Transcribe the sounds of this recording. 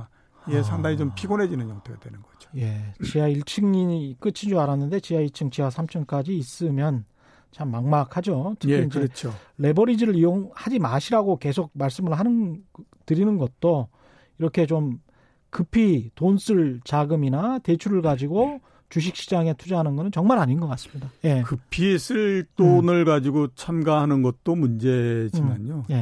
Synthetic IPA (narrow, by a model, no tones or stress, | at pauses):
ijesʰaŋdaŋit͡ɕompʰiɡonɦe̞d͡ʑinɯnjʌŋtʰojadwenɯnɡʌd͡ʑo̥je̞t͡ɕiaiɭt͡ɕʰɯŋɲiɲik͈ɯt͡ɕʰid͡ʑoaɾanːɯnde̞t͡ɕiaiɭt͡ɕʰɯŋt͡ɕiwasʰamt͡ɕʰʌnk͈ad͡ʑiːs͈ɯmjʌn | t͡ɕamːaŋmak̚had͡ʑot͡ɕɯkiind͡ʑet͡ɕʰoɾe̞bʌɾid͡ʑiɾɯɭijoŋhad͡ʑimaɕʰiɾaɡoke̞sʰok̚maɭs͈ɯmɯɭɦanɯntɯɾinɯnɡʌt̚t͈o | iɾʌkʰe̞t͡ɕom | kɯpʰitonsʰɯɭt͡ɕaɡɯminate̞t͡ɕʰuɾɯɭɡad͡ʑiɡo | t͡ɕuɕ̬ʰik̚ɕ͈id͡ʑaŋe̞tʰud͡ʑaɦanɯnɡʌnɯnt͡ɕʌŋmaɾaɲinɡʌk͈as͈ɯ̥mɲidaje̞kɯpʰisʰɯɭt͈onɯɭɡad͡ʑiɡot͡ɕʰamɡaɦanɯnɡʌt̚t͈omund͡ʑe̞d͡ʑimaɲoje̞